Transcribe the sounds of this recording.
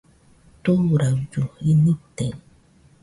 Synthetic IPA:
t̪oɾad͡ʒoinit̪e

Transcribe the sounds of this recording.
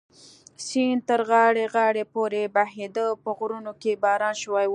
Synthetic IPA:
sint̪əɾɣɑɽeɣɑɽepoɾebahed̪əpəɣɾunokebɑɾɑnʃwaj

